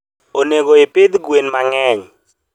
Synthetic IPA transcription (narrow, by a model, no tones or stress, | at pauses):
oneɡoɪpɪd̪ɡwenmaŋɛɲ